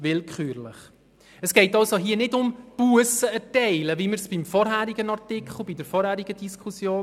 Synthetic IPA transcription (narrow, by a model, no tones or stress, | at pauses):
ʋɪlkχyːɾlɪχ | əsɡ̥ɛɪtɑlsoɦiːənɪdʊmpuəsəɛtɛɪləviməɾsb̥imfɔɾɦæːɾiɡənɑrtɪkʰχl̩ˠbidəɾfɔɾhæːɾiɡədiskʰusjoː